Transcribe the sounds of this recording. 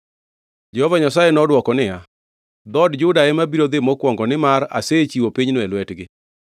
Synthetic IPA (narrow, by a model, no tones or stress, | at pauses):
d͡ʒɛhɔvaɲasajenɔdwɔkɔnɪja | d̪ɔdd͡ʒʊdaɛmabiɾod̪emɔkwɔŋɡɔnɪmaɾa̰set͡ʃiwopiɲnʊɛlwɛtɡɪ